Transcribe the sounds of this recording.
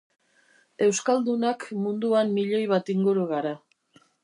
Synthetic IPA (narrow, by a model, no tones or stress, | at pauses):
e̞wskald̪unakmund̪uamːiʎo̞jβat̪iŋɡuɾuɣaɾa